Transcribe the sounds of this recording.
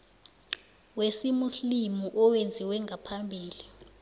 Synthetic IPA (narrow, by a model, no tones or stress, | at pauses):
wesimuslimuʔɔwend͡zʱiwɛŋɡʱapʰambʱiːli